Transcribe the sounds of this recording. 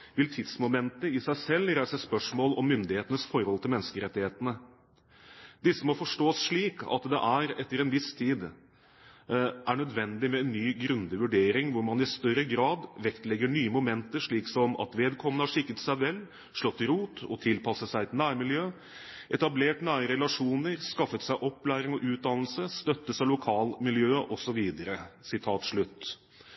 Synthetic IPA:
ʋɪlt̪ʰɪd̪smʊmɛnt̪əɪsæɪsɛlːɾæɪsəspœʂmoːlɔmːʏnd̪ɪheːt̪ənəsfɔɾhɔlt̪ʰɪlmɛnːəskəɾɛt̪ːɪheːt̪ənə | d̪ɪsːəmɔfɔʂʈoːsʂɭiːkɑ̰t̪d̪ɛ̰ʔæɾɛt̪ːəɾɛnʋɪst̪ʰiːd̪ | ʔæɳœd̪ʋɛnd̪ɪmɛɛnːyːɡɾʉnd̪əʋʉɖeːɾɪŋʋʊɾmɑnɪst̪œɾəɡɾɑːd̪ʋɛkt̪lɛɡːəɳyːəmʊmɛnt̪əʂɭiːksɔmɑ̰t̪ʋeːd̪kʰɔmːənəhɑʂɪkːət̪sæɪʋɛlː | ʂlɔt̪ːɪɾuːt̪ɔ̰t̪ʰɪlpʰɑsəsæɪɛt̪næːɾmɪljøː | ʔɛt̪ɑbleːʈnæːɾəɾɛlɑʂuːnəɾskɑfːət̪sæɪʔɔpːlæːɾɪŋɔʔʉːt̪̚d̪ɑnl̩səst̪œt̪ːəsælʊkʰɑːlmɪljøːʔɔsɔʋiːd̪əɾəsɪt̪ʰɑːt̪ʂɭʉt̪ː

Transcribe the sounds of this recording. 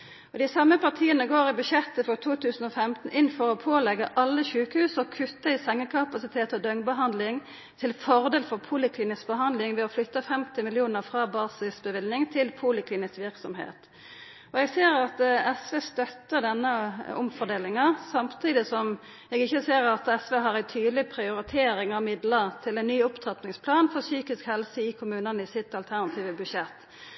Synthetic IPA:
ɔd̪ɪsɑmːəpɑt̪ʰiːənəɡoːʁɪbʉʃɛt̪ːəfɔʁt̪ʰuːt̪ʰʉːsn̩ɔfɛmt̪n̩ʔɪnfɔɾɔpʰoːlɛɡːəʔɑlːəɕʉːkəhʉːsɔkʰʉt̪ːəɪsɛŋːəkʰɑpɑsɪt̪ʰeːt̪ɔd̪œŋbəɦɑnd̪lɪŋ | t̪ʰɪlfɔʁd̪eːlfɔʁpʰuːlɪkʰliːnɪsbəɦɑnd̪lɪŋʋɛɔflʏt̪ːəfɛmt̪ɪmɪlɪuːnəʁfɾɑːbɑːsɪsbəʋɪlnɪŋt̪ʰɪlpʰuːlɪkliːnɪsʋɪɾksɔmhḛːt̪ | ɔɛɡseːɾɑt̪ɛsʋeːst̪œt̪ːəd̪ɛnːəʊ̰mfɔd̪eːlɪŋɑsɑmt̪ʰiːd̪ɪsɔm | jɛːɡɪçːəseːʁɑt̪ɛsʋeːɦɑʁæɪt̪ʰyːd̪lɪpʰɾɪʊɾɪt̪ʰeːɾɪŋɑʋmɪd̪ləɾt̪ʰɪlɛnːyːʊpt̪ʰʁɑt̪nɪŋspʰlɑːnfɔʁsyːkɪskhɛlsəɪkʰʊmʉːnənəɪsɪt̪ɑlt̪ʰæʁnɑt̪ʰiːʋəbʉʂɛt̪ː

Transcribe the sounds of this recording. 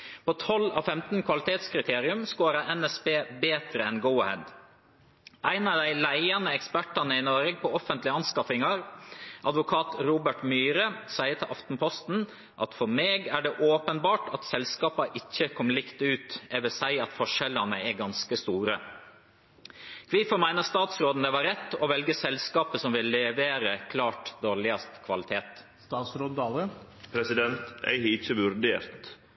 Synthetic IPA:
pʰɔt̪ʰɔlɑ̰fɛmt̪n̩kʰʋɑlɪt̪ʰeːt̪skʰɾɪt̪ʰeːɾɪʉmskoːɾəɛnɛsbeːbeːt̪ɾəɛnɡuːhɛ̰d̪ | ʔæɪnɑʋd̪æɪlæɪɑnəɛkspæʈɑnəɪnɔɾəɡ̚pʰɔɔfənt̪lɪɑnskɑfɪŋɑɾʔɑd̪ʋʊkʰɑːt̪ɾuːbəʈmyːɾəsæɪəʈ̪ʰɪlʔɑft̪n̩pʰɔst̪n̩ | ʔɑt̪fɔɾmeːɡæɖɛʔoːpənbɑːʈɑt̪sɛlskɑːpɑʔɪçːəkʰɔmlɪkt̪ʉːt̪ɛʋɛsæɪɑt̪fɔʂɛlɑnəɛɡɑnskəst̪uːɾə | kʰʋiːfɔɾmæɪnəɾst̪ɑːt̪sɾoːd̪n̩d̪ɛʋɑɾɛt̪ːɔʋɛlɡəsɛlskɑːpəsɔmʋɪlːɛʋeːɾəkʰlɑːʈd̪oːɾɭɪɑst̪kʰʋɑlɪt̪ʰeːt̪ | st̪ɑːt̪sɾoːd̪ɑə | pʰɾɛsɪd̪ɛnt̪æ̰ɪhɪt͡ʃːəʋʉɾd̪ḛːɾt̪

